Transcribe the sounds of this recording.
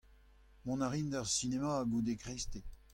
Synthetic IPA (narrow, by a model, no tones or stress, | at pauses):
mɔ̃naʁind̪aʁsinemaːɡud̪ekʁest̪e